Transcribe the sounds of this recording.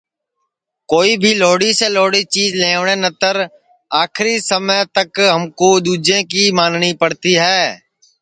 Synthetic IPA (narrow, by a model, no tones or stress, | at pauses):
koːiːbʱiːloːɽiːseːloːɽiːt͡ʃiːzlẽːʋɳẽːnət̪əɾ | aːkʰɾiːsəməːt̪əkɦəmkoːd̪uːd͡ʒẽːkiːmaːnɳiːpəɽt̪iːɦɛː